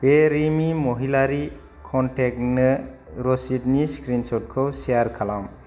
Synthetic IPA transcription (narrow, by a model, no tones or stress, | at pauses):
b̥eɾimimoɦilaɾi | kʰɔntʰek̚nɯ | ɾɔsit̚niskɾinsɔt̚kʰɯwsijaɾkʰalam